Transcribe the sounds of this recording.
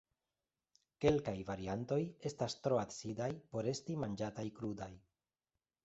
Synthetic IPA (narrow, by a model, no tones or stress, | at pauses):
ke̞lkajvaɾianto̞je̞stastɾo̞atsidajpo̞ɾe̞stimand͡ʒatajkɾudaj